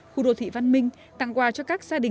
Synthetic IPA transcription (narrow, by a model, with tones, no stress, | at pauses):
xṵ˧˨ɗo̰˧˨˩t̪ʰi˧˨va˧nmï˧ŋ̟ | t̪a̰˧˨ŋkwaː˧t͡ɕɔ˧kaː˦˥k̚z̥aː˧ɗï˨˩